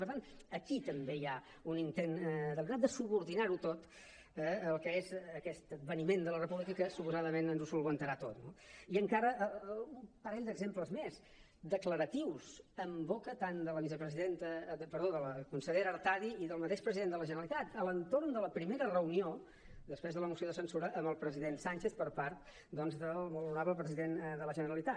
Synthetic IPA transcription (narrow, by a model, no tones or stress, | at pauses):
pəɾt̪anəkit̪əmbeja | unint̪end̪əlˠɣɾat̪̚d̪əsuβuɾðinaɾut̪ot̪ | əəlˠkəezəkɛst̪əd̪̚βənimend̪ələrəpuβlikəkəsupuzaðəmenənzusulˠβənt̪əɾat̪ot̪noiəŋkaɾəʔumpəɾɛʎd̪əɡzempləzmez | d̪əkləɾət̪iwzəmbokət̪and̪ələβiz̬əpɾəziðent̪əpəɾðoðələkunsəʎeɾəːɾt̪aðiiðəlˠmət̪eʃpɾəziðend̪ələʒənəɾəlit̪at̪ələnt̪ornd̪ələpɾimeɾərəunio | d̪əspɾezðələmusioðəsənsuɾəʔəmbəlˠpɾəziðensanʲt͡ʃeθpəɾpaɾt̪ | d̪ɔnzðəlˠβəluɾaβləpɾəziðenðələʒənəɾəlit̪a